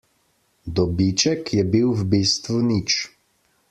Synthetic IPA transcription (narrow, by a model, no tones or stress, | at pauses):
d̪ɔbit͡ʃɛkjɛbiwwbiːst̪ʋunit͡ʃ